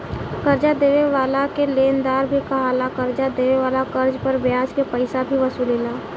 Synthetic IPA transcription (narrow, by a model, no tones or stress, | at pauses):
kəɾd͡ʒad̪eːʋeʋaːlakeleːnd̪aːɾbʱikaɦaːlakəɾd͡ʒad̪eːʋeʋaːlakəɾd͡ʒpəɾbjaːskepəɪsabʱiʋəsuːleːlaː